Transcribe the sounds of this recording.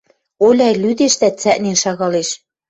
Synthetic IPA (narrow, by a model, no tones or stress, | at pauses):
olʲɑjlyd̪eʃt̪æt͡sæʔnenʃɑɣɑleʃ